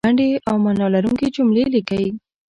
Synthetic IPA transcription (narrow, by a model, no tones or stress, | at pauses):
aɳɖeʔawmanɑlaɾuŋked͡ʒʊmlelikawi